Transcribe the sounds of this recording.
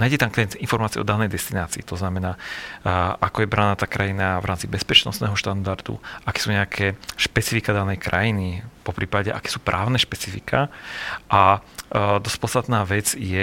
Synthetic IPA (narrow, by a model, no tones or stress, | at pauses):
naːjɟɛt̪amkɛinfɔɾmaːt͡siɛɔd̪anɛjd̪ɛst̪inaːt͡siːt̪ɔznamɛnaː | ʔakɔjɛbɾanaːt̪aːkɾajinavɾaːmt͡sibɛspɛt͡ʃnɔ̰st̪nɛːɦɔʃt̪and̪aɾd̪ṵʔakɛ̥ːsuːɲɛakʰɛːʃpɛt͡sifikad̪anɛjkɾa̰jinipɔpɾiːpaɟɛʔa̰kɛ̥ːsuːpɾʔaːʊnɛʃpɛt͡si̥fikʰaʔa | d̪ɔspɔt͡sst̪at̪naːʋɛd͡zjɛ